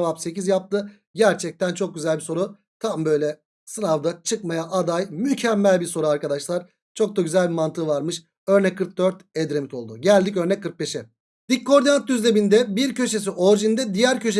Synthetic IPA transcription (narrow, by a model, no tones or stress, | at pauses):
vapse̞cizjap̚t̪ʰɯ | ɟæɾt͡ʃʰɛc̚t̪ʰænt͡ʃʰo̞k̚ɟyzælʲbiso̞ɾu | t̪ʰambø̞jlʲɛ | sɯnavd̪at͡ʃʰɯkmajaʔad̪ajmycʰɛmːælʲbiɾso̞ɾuaɾkad̪aʃlˠaɾ | t͡ʃʰo̞k̚d̪aɟyzælʲbimant̪ʰɯvaɾmɯʃ | øɾnɛckʰːɯɾk̚d̪øɾt̪ɛd̪ɾe̞mit̪ʰo̞lˠd̪uɟælʲd̪ic̬ø̞ɾnɛckʰːɯɾk̪̚be̞ʃɛ | d̪̥ikʰːo̞ɾd̪iant̪̚ːyzlʲe̞bind̪ɛbiɾcʰø̞ʃe̞s̬iʔo̞ɾd͡ʒind̪ɛd̪ijæɾcʰø̞ʃ̬e